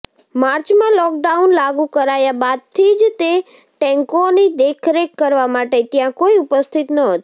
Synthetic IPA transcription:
maɾt͡ʃmãlɔk̚ɖaunlaɡũkəɾajabad̪̚t̪ʰid͡ʒt̪e | ʈɛŋkonid̪ekʰɾekːəɾʋamaʈet̪jãkoiupəst̪ʰit̪nəɦət̪

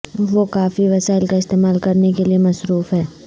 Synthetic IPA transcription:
ʋokaːfiʋɐsaːɪlkaɪst̪eːmaːlkɐɾnekeliemɐsɾuːfɦɛː

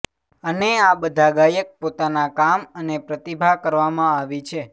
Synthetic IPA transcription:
əneabəd̪ʱaɡajək̚pot̪anakamənepɾət̪ibʱakəɾʋamãaʋit͡ʃʰe

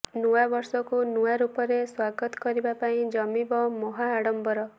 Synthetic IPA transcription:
nuabɔɾsɔkunuwaɾupɔɾeswaɡɔt̪ɔ̥kɔɾibapaĩd͡ʒɔmibɔmɔɦaːɽɔmbɔɾɔ

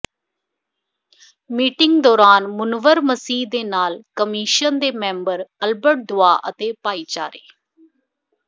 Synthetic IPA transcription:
miːʈɪŋɡd̪ɔːɾaːnmʊnʋəɾməsiːd̪eːnaːlkəmiːʃənd̪eːmɛ̃ːmbəɾəlbəʈ̚d̪ʊaːʔət̪eːpaːiːt͡ʃa̰ːɾḛː

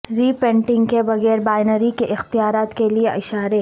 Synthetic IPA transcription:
ɾiːpɛ̃ːɳʈɪ̃ŋɡkebɐɣɛːɾbaːɪnəɾikeʔɪxt̪ijaːɾaːt̪kelieʔɪʃaːɾe

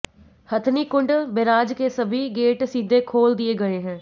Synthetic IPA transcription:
hət̪ʰniːkʊɳɖbeɾaːd͡ʒkeːsəbʱiːɡeːʈsiːd̪ʱeːkʰoːld̪ɪeːɡəeːɦɛ̃ː

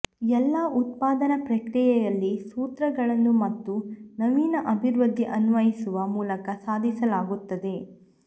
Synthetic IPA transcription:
ɛlːɐʔut̪̚paːd̪ɐnɐpɾɐkɾijɛjɐlːisuːt̪ɾɐɡɐɭɐnːumɐt̪ːunɐʋiːnɐʔɐbʱiɾʋɐd̪ʱːiʔɐnʋɐjisuʋɐmuːlɐkɐsaːd̪ʱisɐlaːɡut̪ːɐd̪e̞

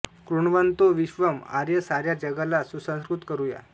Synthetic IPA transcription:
kɾuɳʋənt̪oʋiɕʋəma̰ɾjəsaɾjad͡ʑəɡalasusə̃skɾut̪kəɾuja̰

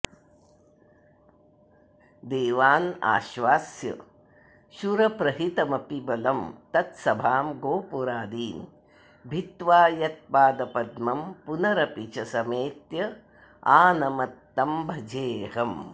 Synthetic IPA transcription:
d̪eːʋaːna̰ːʃʋaːsjɐ̰ | ʃuɾɐpɾɐɦit̪ɐmɐpibɐlɐmt̪ɐt̪sɐbʱaːmɡoːpuɾaːd̪iːn | bʱit̪ʋaːjɐt̪̚paːd̪ɐpɐd̪mɐmpunɐɾɐpit͡ʃɐsɐmeːt̪jɐ | aːnɐmɐt̪ːɐmbʱɐd͡ʒeːɦɐm

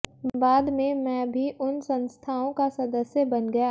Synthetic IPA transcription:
baːd̪mẽmɛ̃ːbʱiʔʊnsɐ̃nst̪ʰaːõkasɐd̪əsjəbɐnɡɐja

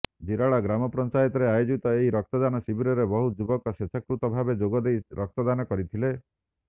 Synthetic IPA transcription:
d͡ʒiɾaɭaɡɾamɔpɾɔnt͡ʃajɔt̪ɔɾeajod͡ʒit̪ɔeɦiɾɔk̚t̪ɔd̪anɔsibiɾɔɾebɔɦud͡ʒubɔkɔsesʰakɾut̪ɔbʱabed͡ʒoɡɔd̪ejɾʔɔk̚t̪ɔd̪anɔkɔɾit̪ʰile

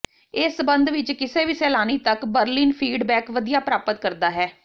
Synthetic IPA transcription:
ɪsbənd̪ʋɪt͡ʃkɪseːʋiːsɛːlaːniːt̪əkbəɾliːnpʰiːɖbɛːkʋəd̪ijaːpɾaːpət̪kəɾd̪aːɦɛː

